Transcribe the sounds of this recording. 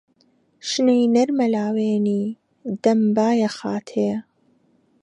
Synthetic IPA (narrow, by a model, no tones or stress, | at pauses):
ʃnejnɐɾmɐlaːweːniː | d̪̥ɐmbaːjɐxaːt̪ʰeː